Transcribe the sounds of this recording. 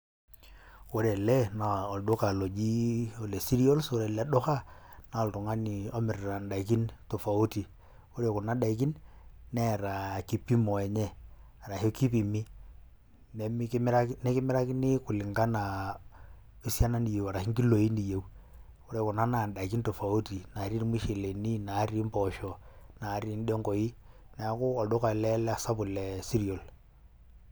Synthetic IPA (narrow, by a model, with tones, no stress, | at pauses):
wo˦ɾɛ˨lɛ˦na˨ɔ˨ldo˦ka˨lo˨d͡ʒi˦ɔ˨le˨si˦ɾi˦ɔ˦lso˨˦ɾɛ˨ldɔ˦ka˦na˨˦ɔ˨ltʊ˨ŋa˦ni˨ɔ˦mɪ˨ɾɾa˨nda˨i˨ki˦nto˨fa˨u˦ti˨ | wo˦ɾe˨kʊ˨na˦da˨i˨k̬i˦nː | ɛ˦˨ɾa˨ki˨pːi˦mɔ˨ɛ˨ɲɛ˦˨ | a˨ɾa˨he˦ki˦pi˨mɪ˦ | nɛ˨m˦km˦ɾa˦knɛ˦kɪ˦mɪ˦ɾa˦kɪ˦nɪ˦kʊ˨lɪ˨ŋɡa˦na˨ | i˦sja˦na˦ni˨je˨wa˨ɾa˨hɪ˦ŋɡi˦lo˨i˦ni˨je˨w | ko˦ɾe˨kʊ˨na˦na˨nda˨i˨ki˦nto˨fa˨u˦ti˨na˨˦ɾi˦n˦mi˦ʃe˨le˨ni˦na˨˦ɾi˦mpɔ˨ʃɔ˨na˨˦ɾi˦n˦de˦ŋɡɔ˨i˦ | nɛ˨˦kʊ˦ɔ˨dʊ˦ka˨lɛ˦lɛ˦a˨sa˦pʊ˨lɛ˨si˦ɾi˨o˨l